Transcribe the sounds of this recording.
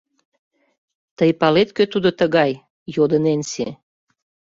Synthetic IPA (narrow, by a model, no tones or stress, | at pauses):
t̪əjpɑlet̪̚køt̪ud̪ot̪əɣɑj | jod̪ənensḛ